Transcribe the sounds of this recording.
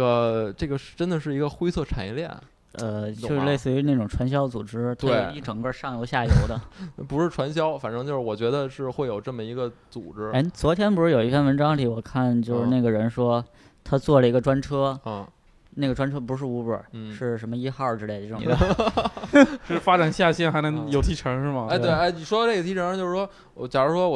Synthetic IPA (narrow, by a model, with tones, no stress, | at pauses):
ə˩ʈ͡ʂɤ˥˩ɡə˩ʂ̩˥˩ʈ͡ʂə˥nd̪ə˨ʂ̬ɻ̩˥˩i˧˥ɡə˧xwe˥ɪt͡sʰɤ˥˩ʈ͡ʂʰa˨˩njɛ˧˥ljɛ̰˥˩n | ə˧t͡ɕo˥˧le˥˧ɪsɹ̩˥˩y˧˥na˥˩ʈ͡ʂʊ˨˩ŋʈ͡ʂʰwa˧˥nɕ̬jɑ˥ʊt͡su˨˩ʈ͡ʂɻ̩˥t̪ʰa˥e˥˩˥i˥˩ʈ͡ʂɤ˨˩ŋkə˥˧ʂɑ˥˩ŋjo˧˥ʊɕja˥˩jo˧˥ʊd̪ə˧pu˧˥ʂɻ̩˥˩ʈ͡ʂʰwa˧˥nɕjɑ˥ʊfa˨˩nʈ͡ʂɤ˥ŋt͡ɕjo˥˧ʊʂɻ̩˥˩wɔ˨˩t͡ɕɥɛ˧˥d̪ə˧ʂɻ̩˥˧xwe˥˩ɪjo˨˩ʊʈ͡ʂɤ˥˩mə˩i˧˥ɡə˧t͡sṵ˨˩ʈ͡ʂɻ̩˥e˥ɪt͡swɔ˧˥t̪ʰjɛ˥npu˧˥ʂɻ̩˥˩o˨˩ʊi˧˥fʰja˥˩nwə˧˥nʈ͡ʂɑ˥ŋt̪ʰi˧˥wɔ˨˩kʰa˥˩nt͡ɕjo˥˧ʊʂɻ̩˥˧ne˥˩ɡə˩ɻə˧˥nʂwɔ˥ | t̪ʰa˥t͡swɔ˥˩lə˩i˧˥ɡə˧ʈ͡ʂwa˥nʈ͡ʂʰɤ˥˧˩ | na˥˩ɡə˩ʈ͡ʂwa˥nʈ͡ʂʰɤ˥p̬u˧˥ʂ̬ɻ̩˥˩u˧˥pə̰˞˨˩n̩˩ʂɻ̩˥˩ʂə˧˥mə˧i˥xɑ˥˩ʊʈ͡ʂɻ̩˥le˧˩ɪ˥˧˩ə˧ | ʂɻ̩˥˩fa˥ʈ͡ʂa˨˩nɕja˥˧ɕjɛ˥˩nxa˧˥ɪnɤ˧˥ŋjo˧˩ʊt̪ʰi˧˥ʈ͡ʂʰɤ˧˥ŋʂɻ̩˥˩mɐ˩a˥˧ttwe˧˥˩a˥ɪni˨˩ʂwɔ˥d̪n˥˩ə˩t̪ʰi˧˥ʈ͡ʂʰə˧˥˧t͡ɕjo˥˧ɻ̩˥˩ʂwɔ˥˧˩ | t͡ɕja˨˩ɻ̩˥ʂwɔ˥wɔ˨˩